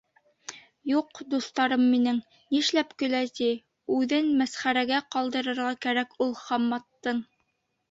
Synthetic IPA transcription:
juqd̪uθt̪ɑɾɤmːinɘŋ | niʃlæpkɵ̆læt̪i | ʉðɘnmæsχæɾæɡæqɑlˠd̪ɤ̆ɾɤ̆ɾʁɑkæɾækulˠχɑmːɑt̪ːɤɴ

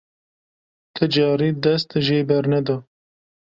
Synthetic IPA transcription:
t̪ʰɨd͡ʒɑːɾiːd̪ɛs̬t̪ɨʒeːbɛɾnɛd̪ɑː

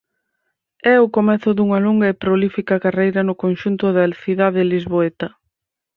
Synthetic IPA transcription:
ɛʊkomɛθʊðuŋɐloŋɡɐepɾolifikɐkarejɾɐnʊkonʃunt̪ʊðɐθiðaðɪlizβoet̪ɐ

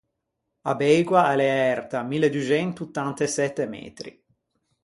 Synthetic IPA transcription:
a̰bɛjɡwaalɛɛrt̪amilːed̪uit͡ʃɛnt̪ut̪ːant̪esɛt̪ːemɛ̰ːt̪ɾḭ

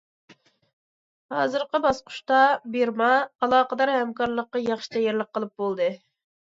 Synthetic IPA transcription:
hɑːzɨɾqəbɑsqʰʊ̥ʃt̪ɑbeɾmɑːlˠɑːqəd̪ɑɾhɛmkɑɾlˠəqːɑjɑχʃi̥t̪ʰɛjeɾlˠəqʰːəlˠɨp̚bolˠd̪ɨ

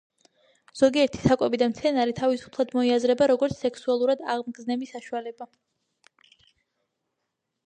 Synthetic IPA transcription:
z̥ɔɡiɛɾt̪ʰi̥sakʼɛbid̪amt̪sʰɛnaɾit̪ʰavisu̥pʰlˠad̪mɔiazɾɛbaɾɔɡɔɾt̪sʰsɛksualˠuɾad̪aʁmɡznɛbisaʃualɛba

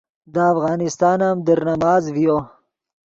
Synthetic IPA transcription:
d̪əːfɣɑːnɪst̪ɑːnamd̪əɾnamɑːzvijo

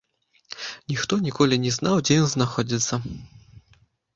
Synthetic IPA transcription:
nʲixt̪ɔnʲikɔlʲinʲɛznawd͡zʲɛjɔnznaxɔd͡zʲit̪sːɐ

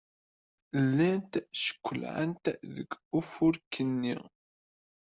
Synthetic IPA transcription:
lːænt̪ʃə̥kʷːəlʕə̰nt̪ðə̰ɡufʊɾkʰːənːḭ

